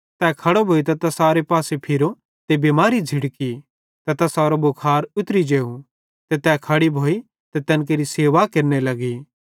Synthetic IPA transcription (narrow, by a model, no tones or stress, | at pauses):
t̪ɛːkʰɐɽobʱoːit̪̬ɐt̪ɐsaːɾepaːsepʰɪɾo | t̪ebimaːɾid͡zʱɪɽki | t̪ɐt̪ɐsaːɾobʊkʰaːɾʊt̪ɾid͡ʒeːu | t̪et̪ɛːkʰɐɽibʱoːi | t̪ɛt̪ɛnk̬eːɾiseːʋakɐɾnelɐɡi